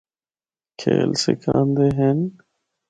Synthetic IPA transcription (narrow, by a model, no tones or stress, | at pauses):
kʰeːlsekʰãːnd̪eːɦen